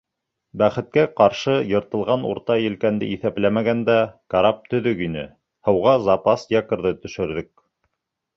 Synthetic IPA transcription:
bæχɘ̆t̪̚kæqɑɾʃɤjɤ̆ɾt̪ɤ̆lˠʁɑnṵɾt̪ɑjɘ̆lkænd̪ɘiθæplæmæɡænd̪ækaɾɑp̚t̪ɵ̆ðɵkinɘ̰ | hɤ̆wʁɑzɑpɑsjɑkɤ̆ɾðɤt̪ɵ̆ʃɵ̆ɾðɵk̚

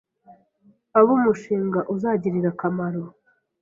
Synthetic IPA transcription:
aβumuʃiːŋɡaʔuzaːɟiɾiɾakamaɾo

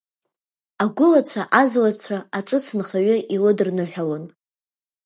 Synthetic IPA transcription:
aɡʷʊlat͡ɕʷʰaʔazlat͡ɕʷʰaaʈ͡ʂʼɨt͡sʰɨnχaɥʏʔilɨdɨrnɨħᶣalon

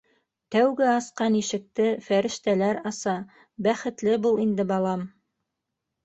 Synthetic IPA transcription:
t̪æwɡɘɑsqɑniʃɘ̆k̚t̪ɘfæɾɘ̆ʃt̪ælæɾɑsɑ | bæχɘ̆t̪lɘbulˠind̪ɘbɑlˠɑm

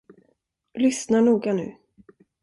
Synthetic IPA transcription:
lʏsnaɳuːɡanʉ̟̰ː

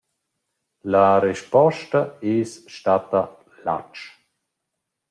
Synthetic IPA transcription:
laɾɛʃpɔʃtaesʃtat̪a | la̰t͡ʃ

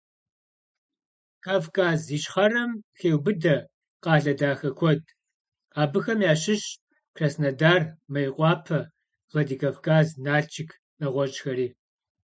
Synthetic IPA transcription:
kʰaːvkʰʼaːziɕχɐrɐmxeːwbɨdɐ | qɑːɮɐdaːxɐkʷʰɔd̚ | aːbɨxɐmjaːɕɪɕ | kʰrɐsnɐdaːrmɐjqʷʼɑːpʰɐ | ʁɐdiːkʰavkʰaːznaːɬt͡ʃʰʼɪkʰ | nɐʁʷɔt͡ʃʼxɐɾiː

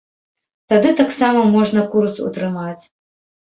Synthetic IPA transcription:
t̪ad̪ɨt̪aksamɐmɔʐnɐkursṵt̪ɾɨmat͡sʲ

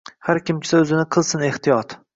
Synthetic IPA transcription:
haɾkʲɪmt͡ʃʲʰɪ̥saɵzɪnɪqʰɨlˠsɪneht̪ijɒt̪

